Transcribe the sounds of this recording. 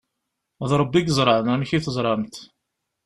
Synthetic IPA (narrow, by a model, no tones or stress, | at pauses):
ðɾˤəbːiɡəzˤɾˤɑʕnænçiθəzˤɾˤɑnt̪